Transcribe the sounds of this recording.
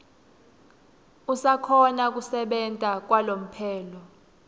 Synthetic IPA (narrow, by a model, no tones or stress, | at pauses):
usakʰɔnak̬usɛɓɛntʼak̬walom̩pʰɛːlɔ